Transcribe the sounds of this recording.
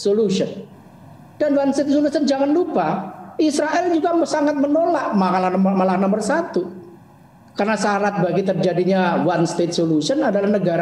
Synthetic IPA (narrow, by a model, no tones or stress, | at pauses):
soluʃən | d̥anwanst̪et̪̚solusənd͡ʒaŋanlupaisɾaʔɛld͡ʒuɡasaŋat̪̚mənolaʔmakalamalahnambərsat̪u | karnasaɾat̪̚baɡit̪ərd͡ʒadiɲawanst̪et̪̚soluʃənadalahnəɡaɾa